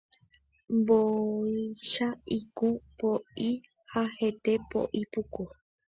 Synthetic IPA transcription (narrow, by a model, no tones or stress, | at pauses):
mboiʃaikũpoi | hahe̞t̪e̞po̰ʔipuku